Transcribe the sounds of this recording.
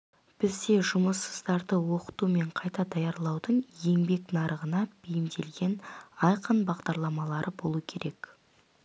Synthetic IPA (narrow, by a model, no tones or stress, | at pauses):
b̥ɪzd̪e̞ʒʊməsːəzd̪ɑɾd̪əwo̞qə̥t̪ume̞ɴqʰɑjt̪ɑd̪ɑjɑɾlˠɑwd̪əɴje̞ŋbe̞knɑɾəʁənɑb̥ejɪmd̪e̞lɡʲe̞nɑjqənbɑʁd̪ɑɾlˠɑmɑlˠɑɾʔəbo̞lˠuəkʲʰe̞ɾʔe̞k